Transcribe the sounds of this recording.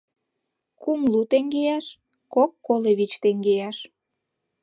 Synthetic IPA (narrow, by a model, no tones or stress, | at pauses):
kumlut̪eŋɡejɑʃ | kokːoleβit͡ɕt̪eŋɡejɑʃ